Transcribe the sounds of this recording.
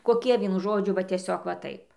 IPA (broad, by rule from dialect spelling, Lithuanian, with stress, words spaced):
koːˈkʲiɛ ˈʋʲiɛnʊ ˈʒoːd͡ʒʲʊ ʋɐ tʲiɛˈsʲoːk ʋɐ ˈtɐɪp